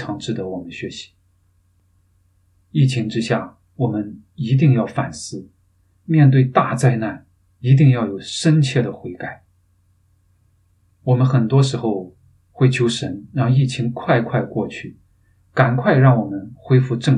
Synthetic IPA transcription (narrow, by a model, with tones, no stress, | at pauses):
ʈ͡ʂʰɑ˧˥ŋʈ͡ʂɻ̩˥˩t̪ə˧˥wɔ˨˩mə˦nɕɥɛ˧˥ɕi̥˧˥ | i˥˩t͡ɕʰi˧˥ŋʈ͡ʂɻ̩˥ɕja˥˩ | wɔ˨˩mə˦n | i˧˥t̪̬i˥˧ŋjɑ˥˩ʊfa˨˩nsɹ̩˥˩ | mjɛ˥˧nt̪̬we˥˧ɪt̪a˥˧t͡sa˥˧ɪna˥˩n | i˧˥t̪̬i˥˧ŋjɑ˥˩ʊjo˨˩ʊʂə˥nt͡ɕʰjɛ˥˩d̪ə˩xwe˧˥ɪka˨˩˦ɪ | wɔ˨˩mə˧˦nxə˨˩nt̪wɔ˥ʂ̬ɻ̩˧˥xo˥˧ʊ | xwe˥˩ɪt͡ɕʰjo˧˥ʊʂə˧˥nɻɑ˥˧ŋi˥˩t͡ɕʰi˧˥ŋkʰwa˥˧ɪkʰwa˥˧ɪkwɔ˥˧t͡ɕʰy˥˩ | ka˨˩nkʰwa˥˧ɪɻɑ˥˩ŋwɔ˨˩mə˦nxwe˥ɪfu˥˧ʈ͡ʂɤ˥˩